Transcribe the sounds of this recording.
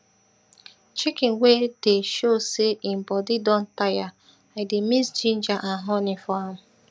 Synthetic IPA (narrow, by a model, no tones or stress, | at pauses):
t͡ʃikɪ̃nwedeʃoseʔɪm̩bɔdidɔ̃n̩taja | aɪdemisd͡ʒĩnd͡ʒaʔaɦɔnɪfɔam̩